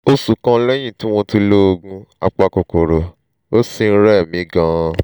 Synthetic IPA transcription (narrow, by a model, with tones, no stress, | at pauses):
o˧su˨kã˧˦lɛ˦j̃ĩ˦˨tĩ˨˦w̃ɔ̃˧ti˧lo˦o˧ɡũ˧a˧k͡pa˧ko˨ko˨ɾo˨ | o˦si˧n̩˦ɾɛ˦˨mĩ˨˦ɡã˦˨